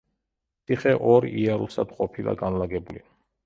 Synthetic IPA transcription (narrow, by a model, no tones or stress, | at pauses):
sʰʼiχɛʔɔɾiaɾusad̪qʼɔpʰilˠa̰ɡanlaɡɛbuli